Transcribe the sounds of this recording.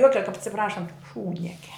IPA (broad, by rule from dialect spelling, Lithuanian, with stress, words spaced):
ˈjoːkʲɛ kɐp ɐtʲsʲɪˈprɑːʃɐnt ˈʃuːdʲnʲiɛkʲɛ